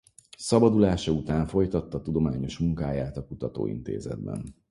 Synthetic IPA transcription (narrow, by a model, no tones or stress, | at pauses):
sɒbɒd̪ulaːʃɒut̪aːɱfo̞jt̪ɒt̪ːɒt̪ud̪o̞maːɲo̞ʃmuŋkaːjaːt̪ɒkut̪ɒt̪o̰ːḭnt̪ḛːzɛ̰d̪̚bɛ̰n